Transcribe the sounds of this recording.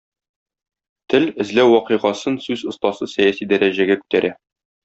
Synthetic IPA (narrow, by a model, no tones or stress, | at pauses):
t̪ɘlɘ̆zlæwːɒqɤ̆ʁɑsɤnsʉzŏst̪ɑsɤsæjæsid̪æɾæʑæɡækʉ̥t̪æɾʔæ